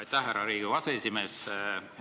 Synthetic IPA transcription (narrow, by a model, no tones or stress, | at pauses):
jt̪ːæɦæɾɑɾiːɡ̥ivɑseesʲime̞ːs